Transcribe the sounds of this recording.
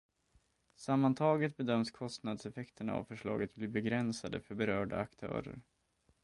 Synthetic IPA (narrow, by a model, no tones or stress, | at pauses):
samːant̪ʰɑːɡət̪̚bɛd̪œmːskʰɔst̪nad̪sɛfɛkt̪ʰəɳa̰a̰vfœʂɭɑ̰ːɡət̪̚bliːbɛɡɾɛnsad̪ə̰fœɾbɛɾœːɖa̰akt̪ʰœ̰ːɾə̰ɾ